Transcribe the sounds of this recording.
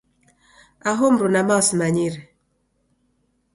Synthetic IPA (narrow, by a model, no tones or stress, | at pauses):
aɦɔm̩ɾunamasmaɲiɾɛ